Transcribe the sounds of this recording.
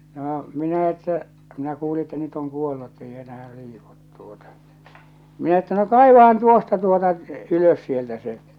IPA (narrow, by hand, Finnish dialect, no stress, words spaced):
noː minæ etːæ minæ kuːli etːæ nyt oŋ kuolːu etːei enæhæ liːkut tuotɑ minæ etːæ no kɑˑiʋɑhɑn tuostɑ tuotɑ yløs sieltæ se